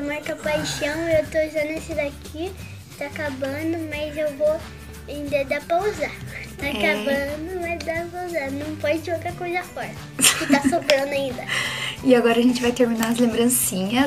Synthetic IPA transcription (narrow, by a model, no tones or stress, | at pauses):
maɾkɐpajʃɐ̃w̃ewt̪oʒanesɪd̪akʰi | t̪aakabɐ̃d̪ʊmɐzewvo | ẽd̪ed̪apɾɐuzat̪akabɐ̃d̪ʊmazd̪apɾɐuzanɐ̃w̃pɔd͡ʒɪd͡ʒɪowt̪ɾɐkojzɐfɔɾɐ | kɪasobɾɐ̃nd̪ʊaĩnd̪ɐɪaɡɔɾɐʒẽnt͡ʃɪvajt̪eɾminaɾɐzlẽmbɾɐ̃sĩɲɐ